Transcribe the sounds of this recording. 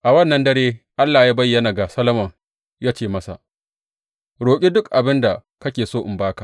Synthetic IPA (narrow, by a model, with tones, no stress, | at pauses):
ʔa˨wɐ˦˨nːɐ˦ndɐ˦ɾeː˦ʔa˦lːaː˨jaː˦bɐ˦jːɐ˦˨na˨ɡa˨sɐ˦lɐ˦mɐ˨ŋ | jaː˦t͡ʃeː˦˨mɐ˦sa̰˨ʔ | ɽoː˨kʲʼi˦dʊ˦kʔa˨bɪ˦nda˨ | kɐ˦kʲeː˨soː˦ʔɪ˨mbaː˦ka˨